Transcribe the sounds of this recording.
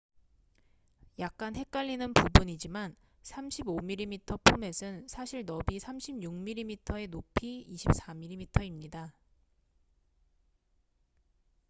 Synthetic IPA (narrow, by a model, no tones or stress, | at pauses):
jak̚k͈anɦe̞k͈̚aʎːinɯnpubuɲid͡ʑiman | sʰamɕʰibomiɾːimitʰʌpʰume̞sʰɯnsʰaɕʰiɭnʌbisʰamɕʰibɲjuŋmiɾːimitʰʌe̞nopʰiiɕʰip̚s͈amiɾimitʰʌimɲida